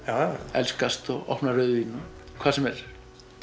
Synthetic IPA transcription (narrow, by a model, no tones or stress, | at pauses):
aɛ̰lskast̪ɔɣɔ̰hpnarœɥðinːɔkʰvaːsɛmɛɾ̥